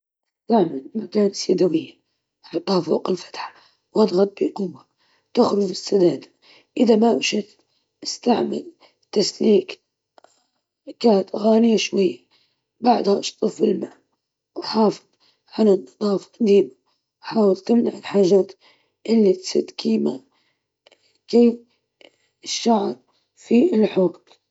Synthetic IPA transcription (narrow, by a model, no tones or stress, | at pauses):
ʔɪst̪aʕmalmakaːnsad̪awɪjːa | ħat̪ˤːɑːfuːqɪlfḁt̪ħḁ | wʔɑd̪ˤɣɑt̪̚ˤbiqʊba | t̪ɪxɾʊd͡ʒɪsːad̪aːd̪a | ʔɪðamaʔʃɪt | ʔɪst̪aʕma̰l | t̪ːasliːk | kaːnat̪ʔaɣaːnɪjːaʃwajːa | baʕd̪haʔɑʃt̪ˤɨfbɪlmaː | wħɑːfɨ̥ðˤ | ʕanɪnːɑd̪ˤɑːfɑ̥qɑd̪iːma | wħaːwɪlt̪ɪmnaʕɪlħaːʒaːt̪ | ʔɪlːit̪sa̰d̪kʰiːma̰ | keː | ɪʃːaʕɾ | fiɪlħoːt̪